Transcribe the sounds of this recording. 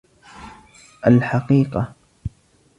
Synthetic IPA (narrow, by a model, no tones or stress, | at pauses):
ʔalħaqiːqɑ